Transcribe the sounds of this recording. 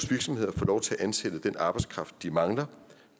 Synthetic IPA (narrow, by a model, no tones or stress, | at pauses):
sʋiɐɡ̥sɒ̽mhe̝ð̞̰ˠɐfɒ̽ːlɒʊt͡sʰe̝æʔænsed̥əd̥enʔɑ̈b̥ɑ̈ɪdskʰʁɑ̈fd̥̚ːimɑ̈ŋlɐ